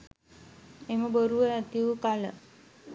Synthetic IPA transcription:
eməboɾuʋəat̪iʋukalə

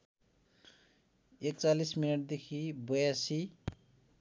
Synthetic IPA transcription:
ek̚t͡salisminʌʈ̚d̪ekʰibojasi

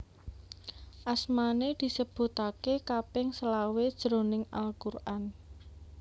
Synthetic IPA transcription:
ʔasmaned̪̥i̤səb̥ṳt̪akekapɪŋsəlawed̥ʒ̥ɾo̤nɪŋalkurʔan

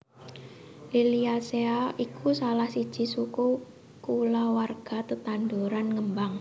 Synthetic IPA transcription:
liliaseaʔikʰusalahsid̥ʒ̥i̤suku | kulawarɡ̥a̤t̪ət̪anduɾanŋəmbaŋ

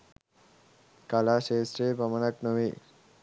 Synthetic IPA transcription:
kalaɕesɾebəmənaknəʋe

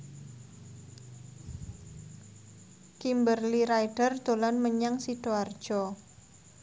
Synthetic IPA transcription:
kimbərliɾaiɖ̥ərd̪̥o̤lanməɲaŋsiɖ̥oard̥ʒ̥ɔ

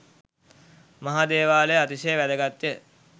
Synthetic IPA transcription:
maɦaːd̪eːʋaːlejat̪isejəʋæd̪əɡat̪jə

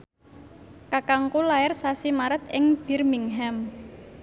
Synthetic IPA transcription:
kakaŋkulaɪrsasimaɾət̪ɪŋb̥irmiŋɦɛm

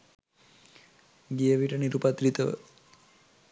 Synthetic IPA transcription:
ɡijəʋiʈəniɾupat̪ɾit̪əʋə̰

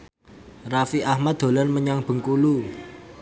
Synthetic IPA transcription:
rafiahmad̪̚d̪o̤lənməɲaŋb̥ə̤ŋkulu

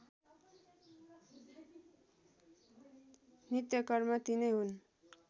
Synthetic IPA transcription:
nit̪jʌkʌrmʌt̪inʌjɦun

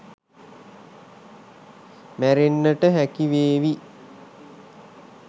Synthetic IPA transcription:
mæɾenːəʈəɦækiʋeːʋi

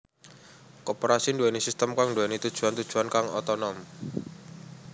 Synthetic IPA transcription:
kɔpoɾasinduɛnisist̪əmkaŋnduɛnit̪ud̥ʒ̥ṳant̪ud̥ʒ̥uankaŋɔ̰t̪ɔnɔm

